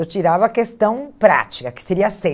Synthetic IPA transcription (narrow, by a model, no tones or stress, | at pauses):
ewt͡ʃiɾavɐːkest̪ɐ̃w̃pɾa̰t͡ʃi̥kɐkɪ̥seɾiɐse